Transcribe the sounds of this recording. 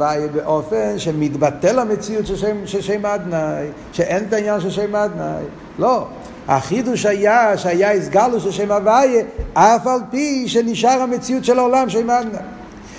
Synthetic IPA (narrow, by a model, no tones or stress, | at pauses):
ajebeʔofenʃemitbatelamet͡siutʃeʃemʃeʃejmad̪naj | ʃeʔent̪ainjanʃelʃejmad̪na̰j | lo | ha̰χiduʃajaʃeajaisɡaluʃelʃejmavajeafalpiʃeniʃaʁhamet͡siutʃɛlaolamʃ̬ejmad̪naj